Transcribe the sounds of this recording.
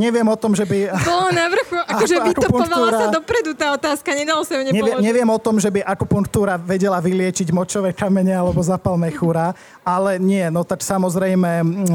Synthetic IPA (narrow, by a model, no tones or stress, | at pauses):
ɲɛʋɪɛmɔt̪ɔmʒɛbibɔlɔnaʋr̩xuakɔʒɛakɔɔpuŋɔʋauːɾasad̪ɔpɾɛd̪ut̪aːɔt̪aːskaɲɛd̪alɔsauɲɛɲɛɪɛɲɛʋɪɛmɔt̪ɔmʒɛbiʔakɔpuŋkt̪uːɾaʋɛɟɛlaʋilɪɛt͡ʃiɟmɔt͡ʃɔʋɛkamɛɲɛalɛbɔzapalnɛxuɾaː | alɛɲɪɛnɔt̪aksamɔzɾɛjmɛ